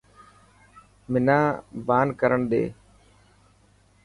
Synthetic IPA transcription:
mɪnaːbaːnkəɾəɳɗ̪ḛː

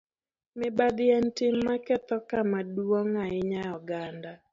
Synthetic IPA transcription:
mɪbad̪ɪɛntɪmːakɛt̪ɔkamaduwoŋaɪɲajɔɡanda

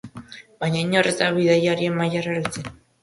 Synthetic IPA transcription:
baɲaiɲorezt̪aβiðajaɾiemːajaraɾit͡se

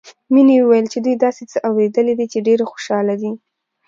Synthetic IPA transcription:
minewəwajəlt͡ʃed̪ujd̪ɑset͡səʔawɾed̪əled̪it͡ʃeɖeɾaxo̥ʃɑlad̪i

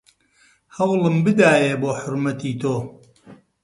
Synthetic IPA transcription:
hɐwlˠɨmbɨd̪aːjeːboːħʊɾmɐt̪iːt̪ʰoː

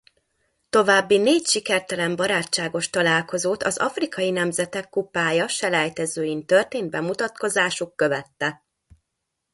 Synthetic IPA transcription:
t̪o̞vaːbːineːcʃikɛrt̪ɛlɛmbɒɾaːcːaːɡo̞ʃt̪ɒlaːlko̞zoːt̪ɒzɒ̰frikɒjinɛmzɛt̪ɛkːupaːjɒʃɛlɛjt̪ɛzøːjint̪ørt̪eːnd̪̚bɛmut̪ɒt̪ko̞zaːʃukːø̞vɛt̪ːɛ

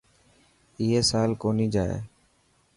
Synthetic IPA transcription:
iːeːsaːlkoːniːd͡ʒaːḛː

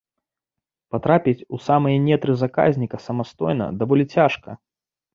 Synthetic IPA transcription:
pat̪ɾapʲit͡sʲusamɨjɐnʲɛt̪ɾɨzaka̰zʲnʲikɐsɐmast̪ɔjnɐ̰d̪avɔlʲit͡sʲaʂkɐ̰

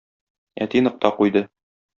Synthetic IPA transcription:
æ̰t̪inɤ̆q̚t̪ɑqujd̪ɤ

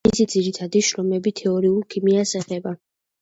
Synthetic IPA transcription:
isid̪z̥iɾit̪ʰad̪iʃɾɔmɛbit̪ʰɛɔɾiulˠkʰimiasɛχɛba

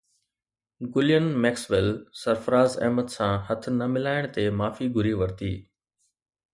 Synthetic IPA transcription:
ɡʊlɪjənmɛːksʋɪlsɐɾfəɾaːzɛ̰ɦməd̪sãɦɐt̪ʰnɐmɪlaːɪɽ̃t̪emaːfiɡʱʊɾiʋɐɾt̪iː

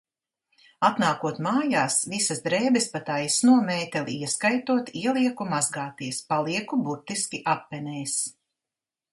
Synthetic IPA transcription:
at̪naːkuɔt̪maːjaːsvisɐsd̪ɾɛːbɛspat̪ajsnuɔmɛːt̪ɛlʲiiɛskajt̪uɔt̪iɛlˠiɛkumazɡaːt̪iɛspalˠiɛkubuɾt̪iskʲiʔapːɛnɛːjs

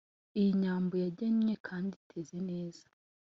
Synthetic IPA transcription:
ijiɲaːmbojaɟeɲɲekʰaːnditʰe̞zene̞ːz̥ḁ

